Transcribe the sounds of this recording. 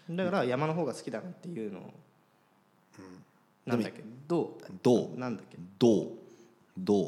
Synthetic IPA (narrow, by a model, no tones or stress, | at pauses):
d̪akaɾajamano̞ɦo̞ːɡasɨ̥kʲid̪anat̪ːe̞jɯ̟ːno̰ | ɯ̃ | nãd̪akʲːed̪oːd̪onãnd̪akʲːed̪oː | d̪oː